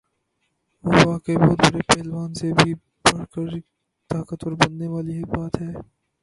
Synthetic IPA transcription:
ʋoʋaːkibɔːt̪̚bɐɾepɛːlʋaːnsebʱi | bɐɽkəɾ | t̪aːkət̪ɔːɾbɐnːeʋaːlibaːt̪ɦɛː

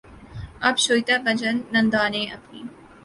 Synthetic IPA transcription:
ɐbʃoːjt̪abɐd͡ʒɐnːɐnd̪aːnẽːʔɐpnḭː

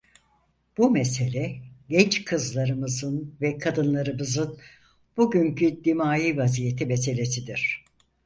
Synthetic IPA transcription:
b̥umese̞lʲɛɟɛnt͡ʃkʰɯzlˠaɾɯmɯzɯnvɛkʰad̪ɯnlˠaɾɯmɯzɯn | b̥uɟyɲcyd̪imaːjiːvazije̞t̪ʰimese̞lʲe̞sid̪iɾ̝̥

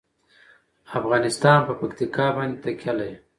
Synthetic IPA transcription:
afɣɑnɪst̪ɑnpəpakt̪ikɑbɑnd̪et̪akʰʲalaj

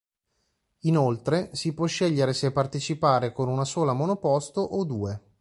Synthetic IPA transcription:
inolt̪ɾesipwɔʃːeʎːeɾesepːart̪et͡ʃipaːɾekonunasoːlamonopɔst̪oʔod̪uːe

